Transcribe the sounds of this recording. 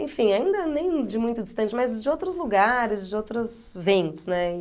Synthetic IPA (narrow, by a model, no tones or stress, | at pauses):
ḛ̃fĩjaĩnd̪ɐnẽj̃d͡ʒɪmũj̃t̪ʊd͡ʒɪst̪ɐ̃nt͡ʃɪmɐzd͡ʒɪowt̪ɾʊzluɡaɾɪzd͡ʒɪowt̪ɾʊsvẽnt̪ʊsnɛ